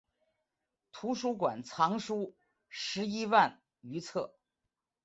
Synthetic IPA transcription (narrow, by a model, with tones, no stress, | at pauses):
t̪ʰu˧˥ʂu˥kwa˨˩nt͡sʰɑ˧˥ŋʂu˥ | ʂɻ̩˧˥i˥wa˥˩n | y˧˥t͡sʰɤ˥˩